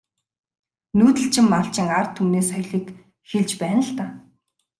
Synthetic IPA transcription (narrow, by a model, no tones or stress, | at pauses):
nuːt̪ə̆ɬt͡ɕʰɪ̆mːaɮt͡ɕɪ̆ŋart̪ʰumneːsœjɮiːk | xeɮt͡ɕpæːnə̆ɮt̪aː